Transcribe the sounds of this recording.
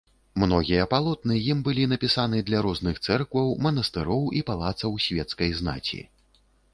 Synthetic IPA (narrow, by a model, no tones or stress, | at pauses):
mnɔɣʲijɐpalˠɔt̪nɨjimbɨlʲinɐpʲisanɨd̪lʲɐɾɔznɨxt̪sɛrkvɐwmɐn̪ɐst̪ɨɾɔwipalˠat̪sɐwsʲvʲɛt̪skɐjzna̰t͡sʲḭ